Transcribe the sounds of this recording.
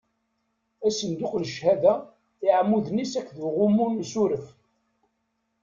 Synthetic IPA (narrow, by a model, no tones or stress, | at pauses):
æsənd̪ʊqləʃhæðæ | ɪʕmːuðnisækʷːðuʁʊmunːsuɾəf